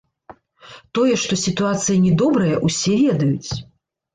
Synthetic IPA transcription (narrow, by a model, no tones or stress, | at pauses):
t̪ɔjɛʂt̪ɔsʲit̪uat̪sɨjɐnʲɛd̪ɔbɾɐjɐʔusʲɛvʲɛd̪ɐjut͡sʲ